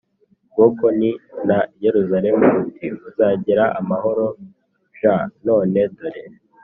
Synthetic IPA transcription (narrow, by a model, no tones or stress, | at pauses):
ɡ̥okoninaje̞ɾuzaɾe̞muːtʰiuzaːɟiɾaʔamaho̞ɾo̞ | ʒano̞ːne̞doɾe